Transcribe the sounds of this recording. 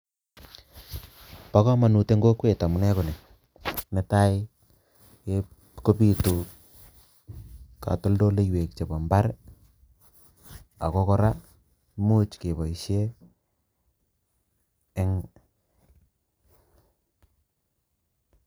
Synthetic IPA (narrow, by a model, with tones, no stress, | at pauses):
pa˦kɔ˦ma˨nu˨te˦ŋɡo˦kwe˨ta˨mu˨nɛ˦ko˨ne˨ | ne˨˦ta˦ɪ | ke˦ | ko˦pi˦˨tu˨ | ka̰˨to˦ldo˦le˦jwe˨k̚t͡ʃe˨ba˨mba˦ɾ | a̰˨kɔ˦kɔ˦ɾa˦ | mu˦t͡ʃke˨bɔ˨i˨ʃje˦ | ŋ